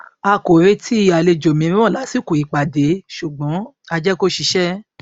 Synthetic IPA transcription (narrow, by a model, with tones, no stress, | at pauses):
a˧ko˨ɾe˦tʰi˦˧a˨le˧d͡ʒo˨mĩ˧ɾĩ˦ɔ̃˦˨la˨˦si˦˨ku˨i˨k͡pa˨de˨˦ʃu˨ɡ͡bɔ̃˨˦ | a˧d͡ʒɛ˦ko˦ʃi˧ʃɛ˦